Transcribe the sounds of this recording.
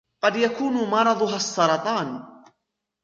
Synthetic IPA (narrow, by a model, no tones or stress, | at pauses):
qɑd̪jakuːnʊmɑɾˤɑd̪ˤʊɦasˤːɑɾˤɑt̪ˤɑːn